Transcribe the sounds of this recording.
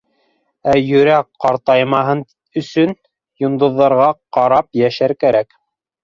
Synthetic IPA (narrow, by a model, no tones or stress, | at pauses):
æjɵ̆ɾækqɑɾt̪ɑjmɑɦɤn | ɵ̆sɵn | jŏnd̪ŏðːɑɾʁɑqɑɾɑpjæʃæɾkæɾæk